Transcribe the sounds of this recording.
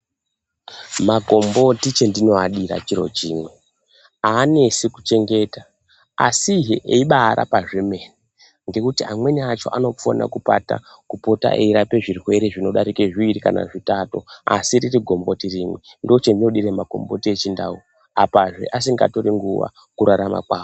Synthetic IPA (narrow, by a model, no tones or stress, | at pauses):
maɡʱo̞mbo̞tit͡ʃe̞ndino̞aɗiɾa̰t͡ʃiɾo̞̰t͡ʃiːmwe̞ | aːnesikut͡ʃe̞ŋɡe̞ːta | a̰siɦeʔeiɓaːɾʔa̰paʐeme̞ni | ŋɡe̞kutiamwe̞niat͡ʃo̞̰ʔano̞fo̰na̰kupa̰ta̰ | kupo̞ta̰ʔḛiɾape̞ʐirwe̞ɾe̞ʐino̞ɗaɾikeʐiiɾikana̰ʐitato̞̰a̰siririɡʱo̞mbo̞tiriːmwendo̞t͡ʃendino̞ɗiɾemaɡʱo̞̰mbo̞̰tie̞t͡ʃindau | apaʐe̞̰ʔasiŋɡa̰to̞ɾiŋɡuʋa̰ | kuɾaɾama̰kwaːʋo